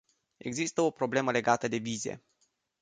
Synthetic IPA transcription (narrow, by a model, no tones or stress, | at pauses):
e̞̰ɡzist̪əo̞pɾo̞ble̞məle̞ɡat̪əd̪e̞vize̞̰